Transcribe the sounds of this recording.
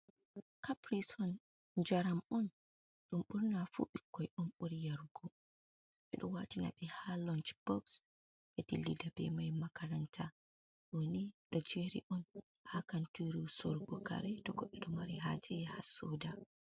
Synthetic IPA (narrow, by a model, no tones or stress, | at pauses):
kapɾisɔn | d͡ʒaɾamɔn | ɗumɓuɾnafṵɓikːɔjʔɔnɓuɾijaɾɡɔ | ɓɛɗɔ̰watina̰ɓɛhalɔnt͡ʃb̥ɔks | ɓɛdḭlːidabɛ̰majmakaɾantʰa | ɗoniɗɔd͡ʒeɾḭʔɔn | hakantuɾusɔɾɡɔka̰ɾɛtɔɡɔɗːɔɗɔmaɾɛɦad͡ʒɛjɛhasɔda